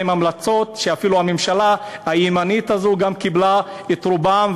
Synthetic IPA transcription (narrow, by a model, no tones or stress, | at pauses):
imamlat͡so̞tʃeafiluhamemʃalahaimanitazoɡamkibla | et̪ʁubam